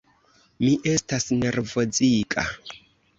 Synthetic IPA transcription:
miʔe̞stasne̞ɾvo̞d͡zikʼa̰

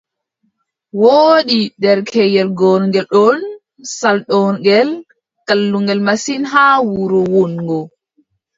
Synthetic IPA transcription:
woːɗiɗɛɾkʰɛjɛlɡɔnɡɛlɗɔn | salɗɔnɡɛl | kalːuŋɡɛlmasinɦawuɾɔwɔnŋɡɔ

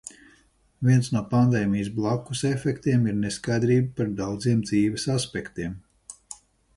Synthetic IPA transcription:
viɛnsnuɔpand̪ɛːmijs̬blˠakːusefʲɛkt̪iɛmiɾneskajd̪ɾiːbapaɾd̪awd̪ziɛmd̪ziːʋɛsaspɛkt̪iɛm

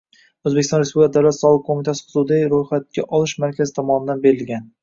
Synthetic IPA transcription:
ozbekʲɪsɒnɾespublɪkʰʲad̪awlat̪sɒlˠɨq̚kʰomit̪ʰasɪ̥χɨzud̪ajɾojχat̪̚kʲaʔɒlˠɪʃmaɾkʲʰazɪt̪ʰɒmɒnɪd̪anbe̞ɾɪlɡʲan

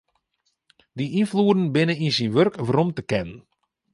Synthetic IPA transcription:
diʔinfluədən̩bɪnəinsinʋørkʋəromtəkɛnən

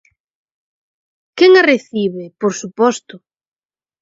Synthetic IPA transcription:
keŋareθiβepoɾsupɔst̪ʊ

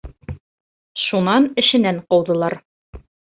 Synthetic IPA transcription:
ʃunɑnɘ̆ʃɘ̆næɴqɒwd̪ɤ̆lˠɑɾ

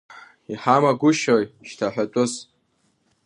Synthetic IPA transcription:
iħamaɡʷʊʃojʃtʰaħʷᶣatʷʼʊz

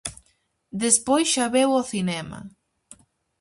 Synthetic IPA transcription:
d̪espojsʃaβewoθinɛmɐ̰

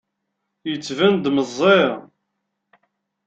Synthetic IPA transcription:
jət͡sːvænd̪məzˤːe

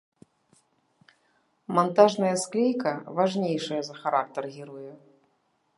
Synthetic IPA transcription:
mant̪aʐnɐjɐsklʲejkɐvaʐnʲejʂɐjɐzɐxaɾak̚t̪ɐrɣʲiɾujɛ

